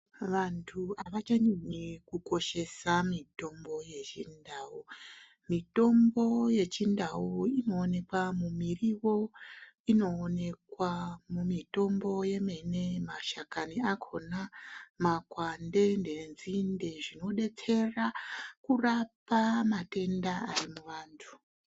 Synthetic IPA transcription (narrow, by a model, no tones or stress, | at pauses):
ʋantʰuaʋat͡ʃaɲiɲikuko̞ʃe̞samito̞mbo̞je̞t͡ʃindaːu | mito̞mbo̞je̞t͡ʃindauino̞ːne̞kwamumiriwo̞ | ino̞ːne̞kwamumito̞mbo̞je̞me̞ne̞maʃakaniakʰo̞namakwande̞ndenzinde̞ʐino̞ɗe̞t͡se̞rakurapamate̞ndaarimuʋaːntʰu̥